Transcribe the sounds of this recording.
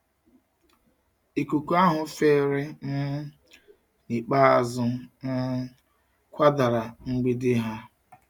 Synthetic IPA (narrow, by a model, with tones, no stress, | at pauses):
i˨kʷu˨ku˦a˦ɦʊ˨feː˦˨ɾe˦n̩˦ | ni˨k͡pa˦a˨zʊ˦na˦ | kʷa˦da˨ɾa˨ŋ͡m̩˦ɡ͡bi˦dɪ˦ɦa˦